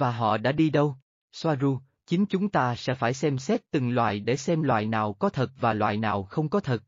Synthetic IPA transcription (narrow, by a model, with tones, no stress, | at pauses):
vaː˨˩ɦɔ̰˧˨ɗa̰ː˧˥ɗi˧ɗə˧w | swaː˧zu˧ | t͡ɕï˨˦ŋt͡ɕʊ˨˦ŋ͡mt̪aː˧sɛ̰˧˥faː˧˩jsɛ˧msɛ˦˥t̚t̪ɨ˨˩ŋlwa̰ː˧˨jɗe˧˩sɛ˧mlwa̰ː˧˨jnaː˨˩wkɔ˨˦t̪ʰə˨˩t̚vaː˨˩lwa̰ː˧˨jnaː˨˩wxə˧wŋ͡mkɔ˨˦t̪ʰə˨˩t̚